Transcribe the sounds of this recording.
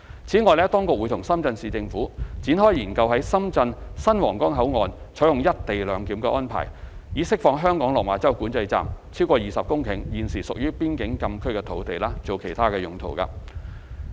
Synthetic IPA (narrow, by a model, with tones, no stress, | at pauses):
t͡sʰiː˨˥ŋɔː˨˧jlɛː˥t̪ɔː˥ŋkʊ˨k̚wu˨˧t̪ʰʊ˨˩ŋsɐ˥mt͡sɐ˧nsiː˨t͡sɪ˧ŋfuː˨˥t͡siː˨˥nɦɔː˥jjiː˨˩nkɐ˧wɦɐ˨˥jsɐ˥mt͡sɐ˧nsɐ˥nwɔː˨˩ŋkɔː˥ŋɦɐ˨˥wŋɔː˨˧nt͡sʰɔ˨˥jʊ˨ŋjɐ˥t̚t̪e˨jlœː˨˧ŋkiː˨˥mkɛ˧ʔɔː˥npʰa̰ː˨˩jjiː˨˥sɪ˥k̚fɔː˧ŋɦœː˥ŋkɔː˨˥ŋlɔː˨˩maː˨˧˥t͡sɐ˥wkuː˨˥nt͡sɐ˧jt͡sa̰ː˨˩mt͡sʰiː˥wkɔː˧jiː˨sɐ˨p̚kʊ˥ŋkʰɪ˨˩ŋjiː˨nsiː˨˩sʊ˨k̚jyː˥piː˥nkɪ˨˥ŋkɐ˧mkʰɵ˥ɥkɛː˧t̪ʰo˨˥wt̪e˨jlaː˥t͡so˨wkʰe˨˩jt̪ʰaː˥kɛː˧jʊ˨ŋt̪ʰo̰˨˩wka̰ː˧